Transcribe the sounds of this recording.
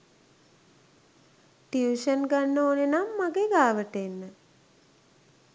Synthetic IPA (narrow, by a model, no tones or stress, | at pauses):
ʈiuʃənɡanːəoːnenamːaɡeɡaːʋəʈenːə